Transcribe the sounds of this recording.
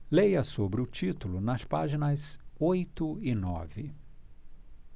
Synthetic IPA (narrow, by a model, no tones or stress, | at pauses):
lejɐsobɾɪʊt͡ʃit̪ʊlʊnɐspa̰ʒinɐzojt̪ʊɪnɔ̰vɪ